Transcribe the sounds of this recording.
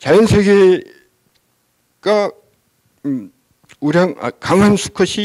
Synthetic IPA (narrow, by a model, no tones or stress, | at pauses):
t͡ɕajʌnsʰeɡe | ɡ̥a | uɾjaŋa̰kaŋɦansʰu̥kʰʌɕʰi